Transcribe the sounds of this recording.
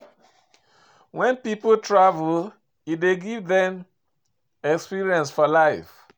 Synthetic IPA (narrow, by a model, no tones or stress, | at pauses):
wɛ̃npipotʰɹavul | ideɡivðɛ̃m | ɛkspiɹiɛ̃nsfɔlaɪf